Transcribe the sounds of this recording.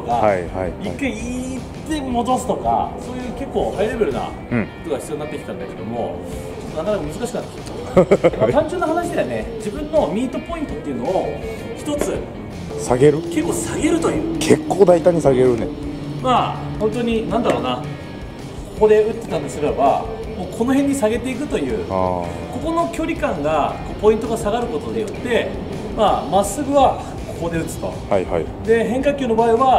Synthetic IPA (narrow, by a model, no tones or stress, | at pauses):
oɡaaa̰ikːaiit̪emo̞d̪o̞sɨ̥t̪o̞ka̰so̞ːjɯ̟ːke̞kːo̞ːhajiɾe̞be̞ɾɯ̟na̰ | kot̪oɡaçi̥t͡sɨjoinat̪ːekʲit̪ãnd̪ake̞d̪o̞̰mo̞ | t͡ɕot̪ːonakanakɯ̟mɯzɨkaɕikɯnat̪ːi̥ | mat̪ãɲd͡ʑonːaɦanaɕid̪e̞βane̞d͡ʑibɯ̟̃nːo̞mʲiːt̪o̞po̞ĩnt̪o̞t̪ːeiɯ̟no̞o | çi̥t̪o̞t͡sɨ | saɡe̞ɾɯ̟ke̞kːo̞ːsaɡe̞ɾɯ̟t̪o̞jɯ̟ːkʰe̞kːoːd̪ait̪aɲ̟isaɡe̞ɾɯ̟nḛmaːhõ̞nt̪o̞ɲ̟inãnd̪aɾo̞ːna | kʰoko̞d̪e̞ɯ̟t̪ːet̪ãnd̪esɨɾeba̰ | mo̞ːkʰo̞no̞ɦẽ̞ɲ̟ːisaɡe̞t̪e̞ik̬ɯ̟t̪o̞jɯ̟̰ːko̞ko̞no̞kʲo̞ːɾʲikãŋɡako̞ːpo̞ĩnt̪o̞ɡasaɡaɾɯ̟ko̞t̪o̞ɲ̟ijo̞t̪ːe̞ | maːmasːɨɡɯ̟βa | ko̞ko̞d̪e̞ɯ̟t͡sɨ̥t̪o̞̰ha̰jha̰i | d̪e̞ɦẽ̞ŋkakʲoːno̞baːiβa